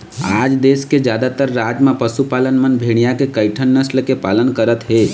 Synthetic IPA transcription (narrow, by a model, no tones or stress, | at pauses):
a̰d͡ʒd̪esked͡ʒjaːd̪at̪əɾːad͡ʒmãpəsupalənmənbʱeɽ̃ijakekəɪʈʰənːəslkepaːlənkəɾət̪ɦe